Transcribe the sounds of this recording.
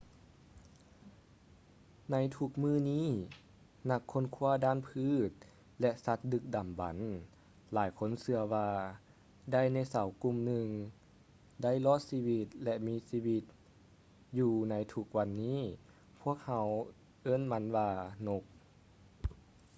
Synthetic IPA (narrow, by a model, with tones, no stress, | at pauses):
na˧˥jt̪ʰu˧˩k̚mɯː˧˥˨niː˧˥˨ | na˧˩kʰːo˧˥˨nkʰu˧˥ɐdaː˧˥˨npʰɯː˧˥˩t̪̚ | lɛ˧ʔsa˧˦t̪̚dɯ˧k̚da˨˩mba̰˨˦n | laː˨˩˦jkʰo˧˥˨nsɯ˧ɐwaː˧ | da˧˥˩jna˧˥˩jsa˨˦wku˧˨mnɯ˧ŋ | da˥˩˨jlɔː˧˥˨t̪̚siː˧˥˩wi˧t̪̚lɛ˧ʔmiː˧˥siː˧˥˨wi˧t̪̚ | juː˧na˧˥jt̪ʰu˧˦k̚wa˧nːiː˥˨ | pʰu˧˥˩ək̚ha˧˦w | ʔɤ˧˥˨nma˧˥nwaː˧no˧˦k̚